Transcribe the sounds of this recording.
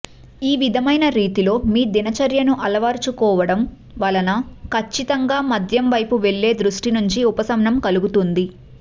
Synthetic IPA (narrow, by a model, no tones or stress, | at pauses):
iːʋid̪ʱɐmɐjnɐɾiːt̪ilo̞ːmiːd̪inɐt͡ʃɐɾjɐnuʔɐlɐʋaːɾt͡ʃukɔːʋɐɽɐm | ʋɐːlɐnɐkʰɐt͡ʃːit̪ɐŋɡaːmɐd̪ʱjɐmʋɐjpuʋe̞ɭːe̞ːd̪ɾuʂʈinuɲt͡ʃiupɐsɐmnɐmkɐluɡut̪und̪i